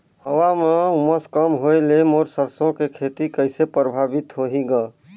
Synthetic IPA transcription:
həwameuməskəmɦoelemoɾsəɾsõkekʰet̪ikəɪsepɾəbʱabɪt̪ɦoɦiɡəː

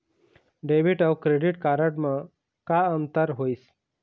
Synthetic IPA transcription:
ɖeʋiʈawkɾeɖiʈkaɾəʈmã | kaənt̪əɾɦois

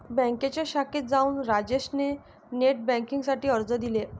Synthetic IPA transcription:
bɛ̃ŋket͡ɕeɕaket̪̚d͡zauːnɾad͡ʑeɕne | neʈ̚bɛ̃ŋkĩŋɡsaʈiːəɾd͡zəd̪ile

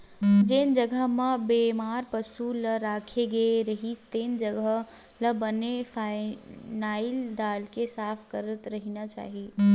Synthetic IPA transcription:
d͡ʒeːnd͡ʒəɡəɦmə̃beːmaːɾpəsuləɾaːkʰeɡeɾəɦist̪eːnd͡ʒəɡə | ləbənefaːɪnaːɪld̪aːlkesaːpʰkəɾət̪ɾəɦinat͡ʃa̰ːɦi

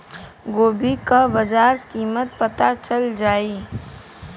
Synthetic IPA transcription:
ɡoːbikabɐd͡ʒaːɾkiːmət̪̚pɐt̪at͡ʃəld͡ʒaːi

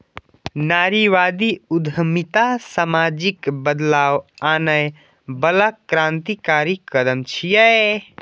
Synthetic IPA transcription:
naɾiʋad̪iud̪ʱəmit̪asamad͡ʒikbəd̪lawanəj | bəlakɾãnt̪ikaɾikəd̪əmt͡ʃʰijɛ

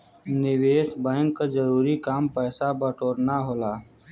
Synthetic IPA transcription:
nɪweːsbɛ̃ːŋkːad͡ʒəɾuːɾikaːmpɛːsabəʈʰoːɾnaɦoːlaː

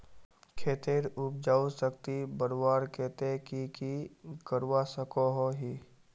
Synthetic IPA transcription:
kʰeːt̪eɾʊp̚d͡ʒaːusəkt̪ibəɾwaːɾkeːt̪ekikikəɾwasəkoɦoɦi

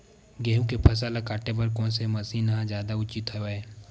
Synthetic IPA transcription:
ɡeːɦũkepʰɐs̬aːlakaːʈep̬ɐɾkɔ̃ːnsemɐsinɐɦãd͡ʒjaːd̪aʊt͡ʃɪt̪ɦoeː

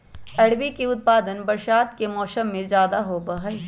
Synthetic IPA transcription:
ɛɽbikiʊt̪̚paːd̪ənbɐɾʃaːt̪kemɔːsəmːẽzjaːd̪aɦobaɦɛː

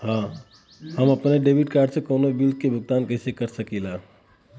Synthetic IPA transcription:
hã | həməpneɖebiʈ̚kaːɾɖsẽkoːnobild̪̚kebʱʊɡ̚t̪aːnkəɦsekəɾsəkila

